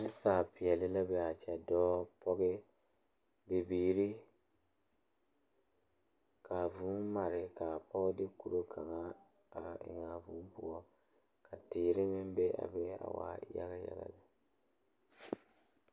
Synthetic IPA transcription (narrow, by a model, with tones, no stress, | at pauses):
dɪ˦saː˨pɪ˨ɛ˨lɪ˦la˦bɛ˨a˨t͡ʃɛ˨dɔː˦pʰɔ˦ɡɪ˦ | bɪ˨biː˨ɾi˦ | kʰa˨vu˨˦ma˨ɾɪ˨ka˨pʰɔ˦dɪ˦ku˨ɾo˦kʰa˨ŋa˦ | a˨ɪ̰˨ŋa˨vu˨˦m˦pʊ˨ɔ˦ | ka˨tɪː˨ɾɪ˦mɪ˦mbe˦a̰˨bɛ˦a̰˨wa̰ː˨˦ja̰˦ɣa˦ja̰˨ɣa̰˨la˨